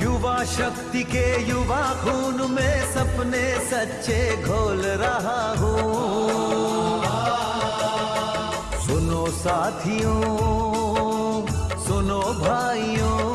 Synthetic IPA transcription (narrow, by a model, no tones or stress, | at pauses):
jʊʋaʃɐk̚t̪ikejʊʋakʰuːnmẽsɐbnesɐtːʃeɡʱoːlɾɐɦaɦũ | sʊnoːsaːt̪ʰijõː | sʊnoːbʱaːijõː